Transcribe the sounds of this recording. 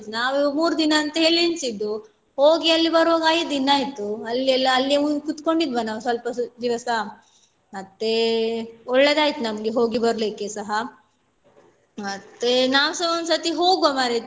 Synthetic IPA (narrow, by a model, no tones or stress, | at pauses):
naːʋmuːɾd̪inɐːnt̪ɐɦeːɭiinsid̪ːu | hoːɡiɐlːibɐɾoːɡaːjd̪inaːjit̪uɐlːiɐlːɐɐlːieukut̪koɳɖid̪ʋɐnaːʋsɐlpɐd̪iʋɐsa | mɐt̪ːe | ɔɭːeːd̪aːjit̪unɐmɐɡeɦoːɡibɐɾleːkesɐɦɐ | mɐt̪ːenaːʋsɐonsɐt̪iɦoːɡomaːɾe